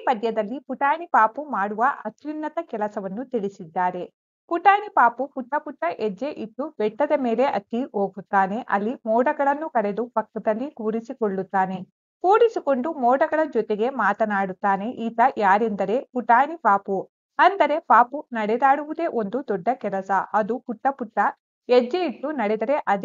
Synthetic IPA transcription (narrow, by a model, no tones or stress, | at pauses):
ipɐd̪jɐd̪ɐlːipuʈaːɳipaːpumaːɽuʋɐʔɐt̪ʋinːɐt̪ɐkɛlɐsɐʋɐnːut̪iɭisid̪ːaːɾe̞ | puʈaːnipaːpupuʈːɐpuʈːɐʔed͡ʒːe̞ʔiʈːubɛʈːɐd̪ɐme̞ːle̞ʔɐt̪ːiɦoːɡut̪ːaːne̞ʔɐ̰lːimɔːɖɐɡɐɭɐnːukɐɽe̞d̪upɐkːɐd̪ɐlːikuːɾisikoɭːut̪ːaːne̞ | kuːɾisiko̞ɳɖumɔːɽɐɡɐɭɐd͡ʒɔt̪eɡe̞maːt̪ɐnaːɽut̪ːaːne̞ʔiːt̪ɐjaːɾend̪ɐɾe̞puʈaːnipaːpu | ɐnd̪ɐɾe̞paːpunɐɽɛd̪aːɽuʋud̪e̞ʔo̞nd̪ud̪ɔɖːɐkɛlɐsɐɐd̪upuʈːɐpuʈːɐ | ed͡ʒːeiʈːunɐɽɛd̪ɐɾe̞ʔɐd̪